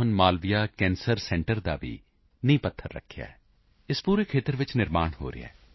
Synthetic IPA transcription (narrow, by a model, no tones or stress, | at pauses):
ɦʊnmaːlʋijaːkɛ̃ːnsəɾsɛ̃ːɳʈəɾd̪a̰ːʋḭː | nəĩːpət̪ʰːəɾːə̰kʰːɪja̰ːɛː | ɪspuːɾeːkʰeːt̪əɾʋɪt͡ʃnɪɾmaːnɦo̰ːɾɪ̰ɛ̰ː